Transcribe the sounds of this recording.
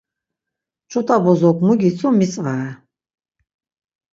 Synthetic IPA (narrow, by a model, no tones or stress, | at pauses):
t͡ʃʰʼut̪ʼabɔzɔkʰʼmuɡʲit͡sʰumit͡sʼvaɛ